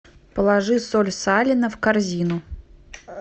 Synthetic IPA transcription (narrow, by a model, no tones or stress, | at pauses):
pəlˠɐʐɨsolʲsalʲɪnəfkɐrzʲinʊ